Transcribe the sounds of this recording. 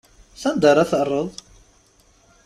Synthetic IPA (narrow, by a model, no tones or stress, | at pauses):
θænd̪əɾˤæθərˤːəðˤ